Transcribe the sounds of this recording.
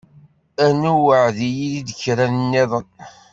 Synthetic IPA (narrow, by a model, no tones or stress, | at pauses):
ænuwəʕðijiðid̪əçɾænnːiðˤən